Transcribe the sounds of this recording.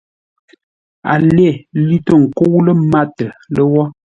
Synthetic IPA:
a̰˨le˦˨li˦tə˦˨ŋ̩˨ko˦wlə˦ma˦tə˨lə˦wɔ˦

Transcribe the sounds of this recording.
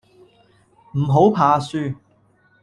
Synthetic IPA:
m̩˨˩ɦo˨˥wpʰaː˨˧syː˧

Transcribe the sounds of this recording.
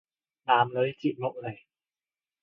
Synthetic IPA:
ɗaː˨˧˩mləː˨˦jt͡ɕḭ˧˨ŋo̰˧˨zə˨˩j

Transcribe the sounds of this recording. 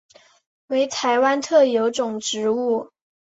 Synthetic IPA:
we˧˥ɪt̪ʰa˧˥ɪwa˥nt̪ʰɤ˥˩jo˧˥ʊʈ͡ʂʊ˨˩ŋʈ͡ʂɻ̩˧˥u˥˩

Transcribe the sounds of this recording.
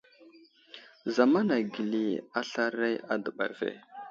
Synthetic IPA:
za˨ma˦na˨ɡi˨li˨a˦ɬa˦ɾa˦ja˦də˨ɓa̰˨ɾvḛ˨

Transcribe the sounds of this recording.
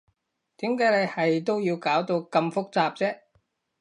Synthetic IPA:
t̪iː˨˥mkaː˨˥jle˨˧jhɐ˨jt̪o˥wjiː˧wkaː˨˥wt̪o˧wkɐ˧mfʊ˥k̚t͡saː˧p̚t͡sɛː˥

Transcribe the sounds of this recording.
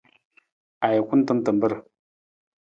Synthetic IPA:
a˨ji˨kʷu˦n˦tə˦m˦tə˨mbə˦ɾ

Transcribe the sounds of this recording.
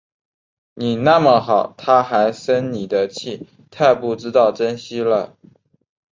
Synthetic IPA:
ni˨˩na˥˩mə˨˩xɑ˨˩˦ʊt̪ʰa˥xa˧˥ɪsə˥nni˨˩d̪ə˦t͡ɕʰi˥˩ | t̪ʰa˥˧ɪpu˥˩ʈ͡ʂɻ̩˥t̪ɑ˥˩ʊʈ͡ʂə˥nɕi˥lə˨

